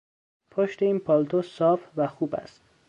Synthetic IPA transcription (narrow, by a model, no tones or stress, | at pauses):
pʰoʃt̪e̞iːnpʰɒlt̪ʰosɒːfvæxuːbæ̰st̪